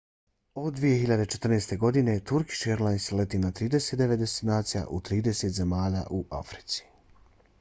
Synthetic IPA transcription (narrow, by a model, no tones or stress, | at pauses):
o̞d̪d̪ʋije̞xiʎad̪et͡ʃet̪r̩neːst̪e̞ɡo̞d̪ine̞t̪uɾki̥ʃeɾlanslet̪iːnat̪ɾiːd̪e̞set̪d̪e̞ʋe̞t̪d̪est̪inaːt̪sija̰ʔut̪ɾiːd̪e̞seːt̪ze̞maːʎa̰ːʔuʔa̰fɾi̥t̪si̥